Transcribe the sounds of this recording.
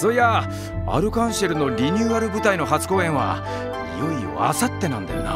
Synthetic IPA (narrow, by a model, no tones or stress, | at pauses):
soja | a̰ɾɯ̟kãɰ̃ɕeɾɯ̟no̞ɾʲiɲʲɯːaɾɯ̟bɯ̟t̪aino̞ɦat͡sɨ̥ko̞ːẽ̞ɰ̃βa̰ | joio̰a̰sat̪ːe̞nãnd̪ena̰